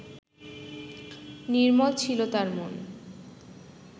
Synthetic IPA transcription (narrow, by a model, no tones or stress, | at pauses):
niɾmɔt͡ɕʰilot̪aɾmon